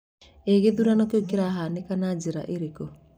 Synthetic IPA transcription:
eɣeðuɾanɔkeokeɾaɦanekanad͡ʒeɾa̰ʔeɾeko

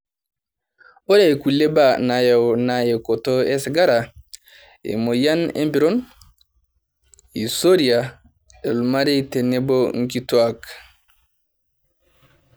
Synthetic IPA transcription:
ɔɾaɛkulːɛbanajawnajɛkɔtɔɛsɡaɾa | ɛ̰mɔjanḛmbiɾɔn | isoɾia | ɛlmaɾɛtɛnːɛbɔŋk̬itwak

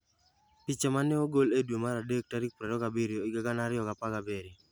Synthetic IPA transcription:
pit͡ʃamanɛoɡoledwomaɾadek̚taɾik̚pɾɛdɔkabiɾjoɪɡaɡanaɾɪjɔkapaɡabeɾi

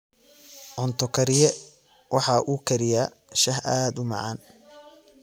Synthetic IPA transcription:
ʕɔnt̪ʰɔkʰɐɾɪjɛ | wɑħɑʔuːkʰɐɾɪjaː | ʃɐɦʔaːd̪ʊmɑ̰ʕɑ̰ːn

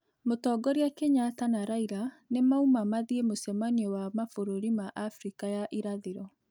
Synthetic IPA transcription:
motɔɡɔɾeakeɲatanaɾaiɾa | nemaumamaðiemosɛmaniɔwamafoɾoɾimaʔafɾikajaʔiɾaðeɾɔ

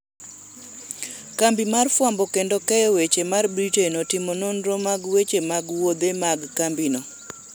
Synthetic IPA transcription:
kambimarfwambɔkendokɛjɔwet͡ʃemarbɾitenɔtɪmɔnɔnɾɔmaɡwet͡ʃemaɡwod̪emaɡkambino

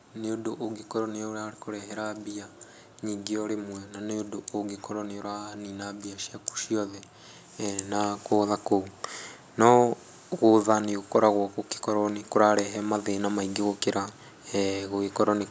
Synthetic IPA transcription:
neodoʔoɡikɔɾɔneɔɾaɾekoɾɛɦɛɾaβia | ɲiŋɡeɔɾemwɛnaneodooɡekɔɾɔneoɾaninabiaʃjaku̥ʃiɔðɛ | nakoðakou | nɔ | ɣoðaneokɔɾaɣwɔkoke̥kɔɾɔnekoɾaɾɛɦɛmaðenamaiɡeɣokeɾa | ɣoɣekɔɾɔne

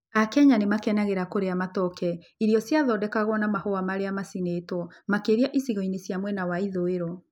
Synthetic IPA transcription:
akɛɲanemakɛnaɣeɾakoɾeamatɔkɛ | iɾiɔsjaðɔdɛkaɣwɔnamahoamaɾeamasinetwɔmakeɾiaʔisiɣɔinesjamwɛnawaiðoeɾɔ

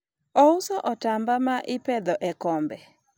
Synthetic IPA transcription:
ɔusɔʔɔtambamaʔɪpɛd̪ɔʔɛkɔmbɛ

